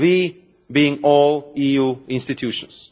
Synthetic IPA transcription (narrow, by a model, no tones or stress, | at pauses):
wi | biɪ̃ŋɔːlˠijuɪ̃nstɨtʰjuʃə̰̃ns